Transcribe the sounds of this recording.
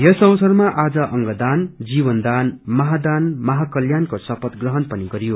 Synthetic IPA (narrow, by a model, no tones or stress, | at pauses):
jʌsʌwsʌrmaʔad͡zʌʔʌŋɡʌd̪and͡zibʌnd̪anmʌɦad̪anmʌɦakʌljankosʌpʌt̪ɡrʌɦʌnpʌniɡʌɾijo